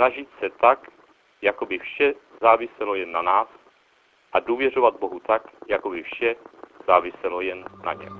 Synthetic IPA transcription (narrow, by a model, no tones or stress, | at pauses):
naʒɪt̪sɛt̪ak | jakobɪfʃɛzaːvɪsɛlojɛnːanaːs | ʔaduːvjɛrovad̪̚bo̞ɦut̪akjakobɪfʃɛz̥aːvɪsɛlojɛnːa̰ɲɛ̰